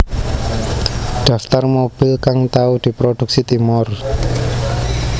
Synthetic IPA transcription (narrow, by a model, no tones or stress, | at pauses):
ɖ̪̥a̤ft̪armob̥i̤lkaŋt̪aud̪̥i̤pɾod̪̥ṳk̚sit̪imʊr